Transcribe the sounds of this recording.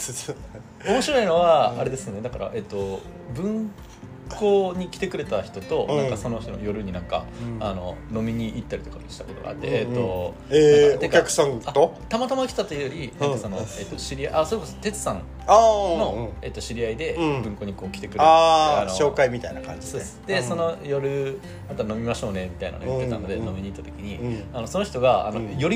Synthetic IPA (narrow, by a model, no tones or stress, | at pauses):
omo̞ɕiɾo̞ino̞βaaɾe̞d̪e̞sɨone̞d̪akaɾa̰ʔe̞t̪ːo̞ | bɯ̟̃ŋ | ko̞ːɲ̟ikʲi̥t̪e̞kɯ̟ɾe̞t̪açi̥t̪o̞t̪o̞nãkaso̞no̞çi̥t̪ono̰jo̞ɾɯ̟ɲ̟inãŋka̰ano̞̰no̞mʲiɲ̟iʔit̪ːaɾʲi̥t̪o̞kaɕi̥t̪ako̞t̪o̞ɡa̰ːt̪ːe̞et̪ːo̞ | eekʲakɯ̟̥sãŋat̪o | t̪amat̪amaçʲit̪at̪oeiɯjoɾʲinãŋkaso̞no̞e̞t̪ːo̞ɕiɾʲiaʔaso̞ɾekosot̪e̞t͡sɨ̥sãŋ | ano̞e̞t̪ːo̞ɕiɾʲiaid̪e̞bɯ̟̃ŋko̞ɲ̟ikoːkʲi̥t̪ekɯɾeaanoɕo̞ːkaimʲit̪ainakã̰ɲd͡ʑi | d̪eso̞no̞jo̞ɾɯ̟ | mat̪ano̞mʲimaɕo̞ːne̞mʲit̪aina̰nojt̪ːea̰nno̞d̪e̞no̞mʲiɲ̟iːt̪ːat̪o̞kʲiɲ̟iano̞so̞no̞çi̥t̪o̞ɡaa̰nojo̞ɾʲi